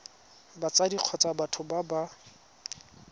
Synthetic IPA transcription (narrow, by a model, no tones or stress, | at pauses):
bat͡sadiq͡χʰɔt͡sʼabatʰʊbaba